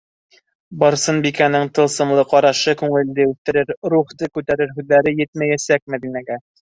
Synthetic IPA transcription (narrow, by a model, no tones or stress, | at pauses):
bɑɾsɤnbikænɘŋt̪ɤ̆lˠsɤ̆mlˠɤqɑɾɑʃɤkʉŋɘ̆ld̪ɘʉθt̪ɘ̆ɾɘɾɾuχt̪ɤkʉt̪æɾɘɾɦʉðːæɾɘjɘt̪̚mæjæsæk̚mæðinæɡæ